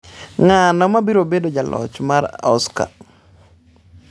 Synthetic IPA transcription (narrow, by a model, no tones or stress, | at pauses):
ŋanɔmabiɾobedod͡ʒalɔ̰t͡ʃmaɾɔska̰